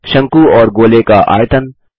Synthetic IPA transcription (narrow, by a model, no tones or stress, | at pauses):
ʃɐ̃ŋkuɔːɾɡoːlekaʔa̰ːjt̪ən